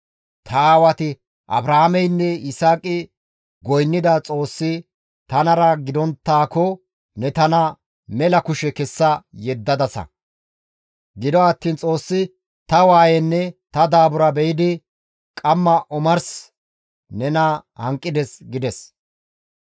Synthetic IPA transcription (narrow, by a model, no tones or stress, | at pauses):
t̪ʰɐwɐt̪ɪ | ʔɐ̰bɾahamɛjnːɛɪsaːkʼɪ | ɡɔjnːɪd̪ɐt͡sʼo̞ːsːɪ | t̪ɐnɐɾɐɡɪd̪ɔnt̪ːaːkɔ | nɛt̪ɐnɐ | mɛlɐkʊʃɛkɛsːɐjɛd̪ːɐd̪ɐsɐ̰ | ɡɪd̪ɔɐt̪ːiːnt͡sʼo̞ːsːɪ | t̪ɐwaːjɛnːɛt̪ɐd̪aːbʊɾɐbɛjɪd̪ɪ | kʼɐmːɐʔɔmɐɾs | nɛnɐhɐŋkʼːɪd̪ɛsɡɪd̪ɛs